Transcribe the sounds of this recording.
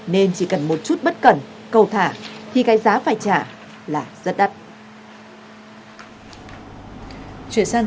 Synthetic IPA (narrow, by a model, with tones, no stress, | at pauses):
ne˧nt͡ɕi˧˩kə˨˩nmo˨˩t̚t͡ɕu˦˥t̚ɓə˦˥t̚kə˧˩n | kə˧wt̪ʰaː˧˩t̪ʰi˨˩ɣaː˨˦jzaː˨˦faː˧˩jt͡ɕaː˧˩ | laː˨˩z̥ə˦˥t̚ɗa˦˥t̚ | t͡ɕwḭ˧˨ənsaː˧n